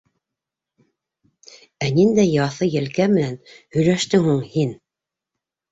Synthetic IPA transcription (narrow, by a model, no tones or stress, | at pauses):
ænind̪æjɑθɤjɘ̆lkæmɘ̆nænhɵ̆jlæʃt̪ɘŋhuɴhin